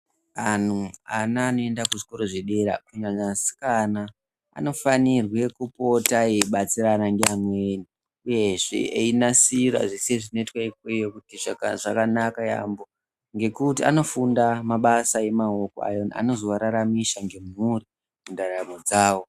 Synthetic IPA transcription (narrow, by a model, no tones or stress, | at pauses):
an̤uanaːno̞e̞ndakuʐiko̞ɾo̞ʐeɗe̞ɾa̰kuɲaɲasi̥kana̰ː | no̞fanirwe̞kupo̞taeɓat͡siranaŋɡeamweni | uje̞ʐḛeinasira̰ʐiseʐino̞itwaikejokutiʐakaʐakanakaja̰mbo̞ | ŋɡe̞kutia̰no̞fundamaɓasae̞maoko̰a̰jo̞na̰no̞zoʋaɾaɾamiʃaŋɡe̞muri | mundaɾamod͡zaːwo̞